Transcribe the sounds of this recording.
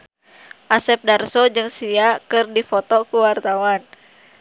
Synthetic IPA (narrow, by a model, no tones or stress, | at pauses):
ʔasɛp̚darsɔd͡ʒɨŋsiakɨrdifɔt̪ɔkuwart̪awan